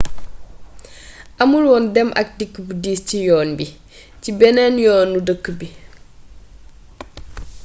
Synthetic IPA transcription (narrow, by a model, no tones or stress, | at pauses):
ʔɐmulwɔndɛmʔɐ̰k̚dikːəbudiːscijɔːnbi | cibɛnɛnjɔːnːudəkːbi